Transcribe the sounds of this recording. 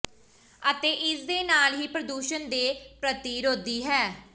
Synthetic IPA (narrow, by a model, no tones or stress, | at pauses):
ət̪eːʔɪsd̪eːnaːlɦiːpɾəd̪uːʃənd̪eːpɾət̪iːɾɦoːd̪iːɦɛː